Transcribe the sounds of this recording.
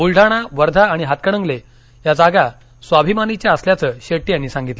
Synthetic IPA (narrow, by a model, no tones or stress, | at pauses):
ulɖʱaɽ̃aʋəɾd̪ʱaːɽ̃iɦat̪̚kəɽə̃ŋɡle | jad͡zaɡa | sʋabʱimanit͡ɕjaəsljat͡səːɕeʈːijañːisãŋɡit̪lə